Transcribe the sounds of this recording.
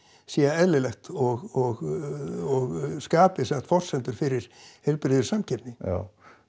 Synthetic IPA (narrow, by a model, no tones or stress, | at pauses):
siaɛðlɪlɛxt̪ɔɣɔɣ | ɔɣskaːpɪsɛmt̪fɔr̥sɛnt̪ʏɾ̥fɪɾɪɾ̥hejlpɾɪðʏɾ̥samcʰɛɾnɪ̰